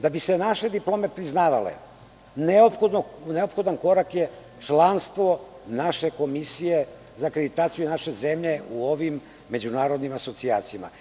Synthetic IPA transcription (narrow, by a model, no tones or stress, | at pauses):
d̪abisenaʃe̞d̪iplˠo̞ːme̞pɾiznaːʋa̰lḛ | neopxod̪oneopxo̞d̪anko̞ɾakje | t͡ʂlanst̪ʋo̞ | naʃeko̞misije̞ | zakɾed̪it̪aːt̪sijunaʃe̞ze̞mʎe̞uo̞ʋimː | e̞d͡ʑunaːɾo̞d̪nimaso̞t̪siaːt̪sijama̰